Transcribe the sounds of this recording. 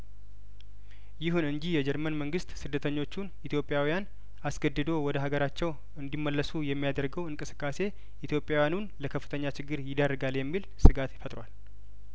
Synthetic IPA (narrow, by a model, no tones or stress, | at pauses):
jɪɦunɨɲd͡ʒihjɛd͡ʒɛɾmənməŋɡɨst̪ʼsɨd̪ːət̪ʰəɲːo̞t͡ʃːunʔit̪ʰjo̞pʼːjawijan | asɡəd̪ːɨd̪o̞wɔd̪əɦaɡəɾat͡ʃːɛw | ɨnd̪imːəlːəsujɛmːijad̪əɾɡəwɨŋkʼɨsɨ̥kʼːase̞ | ʔit̪ʰjo̞pʼːjawjanunləkʰəfːɨt̪ʰəɲːat͡ʃɪɡːɨɾjɪd̪ərːɨɡaljɛmːilsɨɡat̪jɪfət̪ʼɾwal